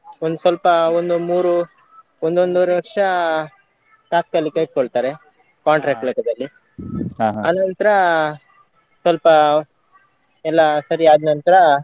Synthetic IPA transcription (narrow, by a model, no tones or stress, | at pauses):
ond̪usʋɐlpɐond̪umuːɾu | ond̪ond̪uɾʋɐɾʂɐ | ʈaːk̚k̪ɐlikeiʈ̚koɭt̪aːɾe | kaːɳʈɾeːk̚ʈlɐkɐd̪ɐlːi | ɦaɦaɐnɐnt̪ɐɾɐ | sʋɐlpɐ | ɛlːɐsɐɾiaːd̪nɐnt̪ɐɾɐ